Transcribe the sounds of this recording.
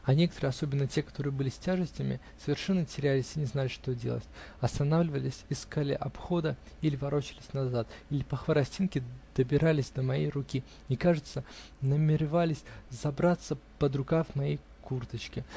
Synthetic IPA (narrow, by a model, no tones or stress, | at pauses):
ɐnʲe̞kət̪əɾɨjɐso̞bʲɪnːətʲe̞kɐt̪o̞ɾɨjəbɨlʲɪsʲtʲaʐɨsʲtʲɪmʲɪ̰ | səvʲɪrʂɛnːətʲɪɾʲælʲɪsʲinʲɪznalʲɪʂt̪o̞dʲelˠə̰tʲ | ɐst̪ɐnavlʲɪvəlʲɪsʲɪskalʲɪ̰ʔɐpxo̞d̪ə | ilʲɪvɐɾo̞t͡ɕɪlʲɪsʲnɐzat̪ilʲɪpəxvəɾɐsʲtʲinkʲɪd̪̥əbʲɪɾalʲɪsʲd̪əmɐjejrʊkʲi | ikaʐɨt̪sə | nəmʲɪɾʲɪvalʲɪsʲzɐbɾat̪sːəpəd̪ɾʊkavmɐjej | kurt̪ət͡ɕkʲɪ